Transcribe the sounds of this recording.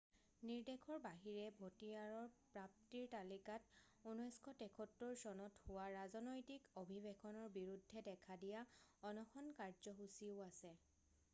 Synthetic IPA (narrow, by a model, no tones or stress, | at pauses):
niɹdekʰɔɹbaɦiɹɛbʱotiaɹɔɹpɹap̚tiɹtalikat | unɔjskʰɔtɛkʰɔtːɔɹsɔnɔthʊwaɹazɔnɔjtikobʱibekʰɔnɔɹbiɹudʱːɛdɛkʰadijaɔnɔxɔnkaɹzɔɦusiʊasɛ